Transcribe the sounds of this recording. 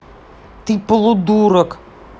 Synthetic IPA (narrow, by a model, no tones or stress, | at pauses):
t̪iplˠud̪uɾək